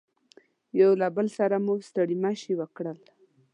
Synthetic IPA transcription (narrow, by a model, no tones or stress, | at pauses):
jawlabəlsaɾamust̪aɽimaʃiwəkɽəl